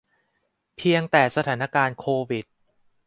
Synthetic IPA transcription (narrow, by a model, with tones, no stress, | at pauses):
pʰi˧əŋt̪ɛː˨˩sa˧aː˩˦na˦˧kaː˧nkʰoː˧wi˨˩t̪̚